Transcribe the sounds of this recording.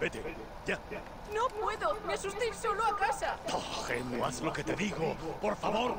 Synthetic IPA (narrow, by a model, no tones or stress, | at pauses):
b̥et̪e | ʝa | nopwe̞ðonasust̪iɾsoloakasapoxemoa̰slo̞ke̞t̪e̞ðiɣopo̞ɾfaβo̞ɾ